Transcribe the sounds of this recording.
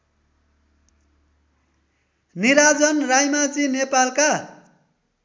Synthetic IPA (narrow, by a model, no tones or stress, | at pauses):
niɾad͡zʌnrajmad͡zinepalka